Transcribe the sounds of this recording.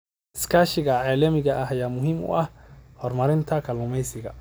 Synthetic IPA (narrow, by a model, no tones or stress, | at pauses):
ɪskʰaːʃɪɣɐʕeːlɐmɪɣɐʔɐɦɐjaːmʊɦiːmʊ̰ʔɐhhɔrmɐɾɪnt̪ʰɐkʰɐlʊmɛjsɪɣɐ